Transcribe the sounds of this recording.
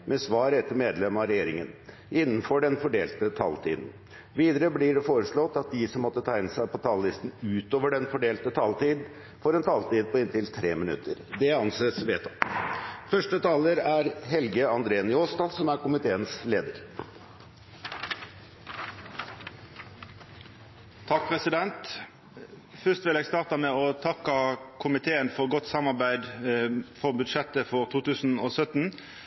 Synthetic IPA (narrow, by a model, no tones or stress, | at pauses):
mʔɛsʋɑːɾɛt̪ːəɾmeːd̪lɛmɑɾɛjeːɾɪŋən | ɪnːn̩fɔɖɛnfɔɖeːlt̪ət̪ʰɑ̰ːlt̪ʰḭːd̪n̩ | ʋiːd̪əɾəbliɖɛfoːɾəʂɭɔt̪ːɑt̪̚d̪ɪsɔmːɔt̪ːət̪ʰæɪɪnəsæɪpʰɔt̪ʰɑːllɪst̪n̩ʉːt̪oːʋəɖɛnfɔɖeːlt̪ət̪ʰɑːlt̪iːd̪ | fɔɾɛnt̪ʰɑːlt̪iːd̪̚pʰɔɪnt̪ɪlt̪ʰɾeːmɪnʉ̰t̪ʰːəɾd̪ɛɑnseːsʋeːt̪ʰɑ | fœʂʈət̪ʰɑːləɾæɾɦɛlɡəɑnd̪ɾeːənjoːst̪ɑsɔmæɾkʊmɪt̪ʰeːənsleːd̪əɾ | t̪ʰɑk̚pʰʁɛsɪd̪ɛnt̪ | fʏst̪ʋɪlɛːɡst̪ɑːʁt̪ɑmɛːɔt̪ʰɑkɑkʰʊmɪt̪ʰeːənfɔʁɡɔt̪ːsɑmɑʁbæɪd̪ | fɔʁbʉd̪ʂɛt̪ːəfɔʁt̪ʰuːt̪ʰʉːsn̩oːsœt̪n̩